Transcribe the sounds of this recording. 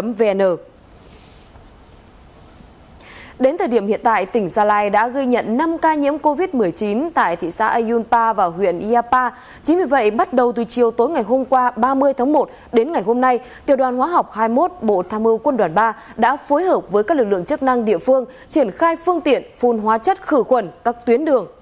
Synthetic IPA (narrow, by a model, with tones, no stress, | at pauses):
ə˨˦mve˧nəː˧˩ | ɗe˨˦nt̪ʰəː˨˩jɗi˧˩mhḭ˧˨ənt̪a̰ː˧˨jt̪ï˧˩ŋ̟zaː˧laː˧jɗa̰ː˧˥ɣə˧jɲə̰˧˨nːa˧mkaː˧ɲḭ˧˥əmko˧vi˦˥t̚mɨ˨˩əjt͡ɕi˨˦nt̪a̰ː˧˨jt̪ʰḭ˧˨sa̰ː˧˥ʔə˧jzu˧npaː˧vaː˨˩hwḭ˧˨ənʔi˧aː˧paː˧ | t͡ɕï˨˦ŋ̟vi˨˩və̰˧˨jɓa˦˥t̚ɗə˨˩wt̪ɨ˨˩t͡ɕi˨˩əwt̪o˨˦jŋa˨˩jɦo˧mkwaː˧ɓaː˧mɨ˧əjt̪ʰaː˨˦ŋmo˨˩t̚ | ɗe˨˦nŋa˨˩jɦo˧mna˧j | t̪i˨əwɗwaː˨˩nɦwaː˨˦ɦa˨˩wk͡p̚haː˧jmo˦˥t̚ɓo̰˧˨t̪ʰaː˧mɨ˧wkwə˧nɗwaː˨˩nɓaː˧ɗa̰ː˧˥fo˨˦jhəː˨˩p̚vəː˨˦jkaː˦˥k̚lɨ˨˩k̚lɨ̰˧˨əŋt͡ɕɨ˦˥k̚na˧ŋɗḭ˧˨əfɨ˧əŋ | t͡ɕi˧˩ənxaː˧jfɨ˧əŋt̪ḭ˧˨ənfu˨˩nɦwaː˨˦t͡ɕə˦˥t̚xɨ˧˩xwə˨˩nkaː˦˥k̚t̪wi˨˦ənɗɨ˨˩əŋ